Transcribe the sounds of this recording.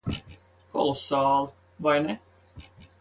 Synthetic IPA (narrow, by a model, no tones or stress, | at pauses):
ko̰lsːɑːl | ʋɑjne